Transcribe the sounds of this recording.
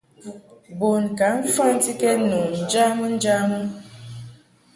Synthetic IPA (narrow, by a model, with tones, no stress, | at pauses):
bo˨nka˨˦m̩˦fa˦n̩˦ti˦ke˦nu˨n̩˨d͡ʒa˦mə˦n̩˦d͡ʒa˦mə˦